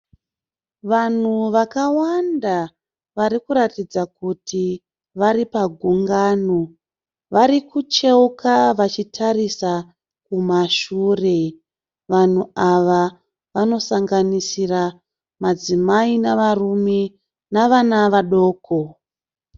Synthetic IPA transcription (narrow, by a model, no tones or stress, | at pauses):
ʋan̤uʋakawanda | ʋaɾikuɾatid͡zakutʰi | ʋaɾipaɡʱuŋɡaːno | ʋaɾikut͡ʃeukaʋat͡ʃitʰarisa | kumaʃuːre̞ | ʋan̤uaʋa | ʋano̞saŋɡanisira | mad͡zimainaʋarume | naʋanaʋaɗo̞ːko